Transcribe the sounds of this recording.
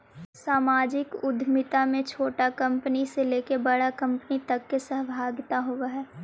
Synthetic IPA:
saːmaːd͡ʒɪkʊd̪ʱmɪt̪amẽt͡ʃʰoːʈakɐ̃mpəniseleːkebɐɽakɐ̃mpnit̪ɐkːesəɦbʱaːɡt̪aɦoːɡaɦɛː

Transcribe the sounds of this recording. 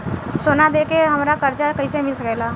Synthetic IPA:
soːnad̪eːkeɦɐmɾakəɾt͡ʃakəisemɪlsəkɛːlaː

